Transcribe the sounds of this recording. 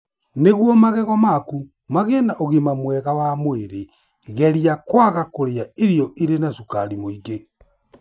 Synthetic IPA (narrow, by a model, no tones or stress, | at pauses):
neɣwɔmaɣɛɣɔmaku | maɣenaʔoɣemamwɛɣawamweɾe | ɣɛɾijakwaɣakoɾeaeɾijɔʔiɾenasukaɾimoiɡe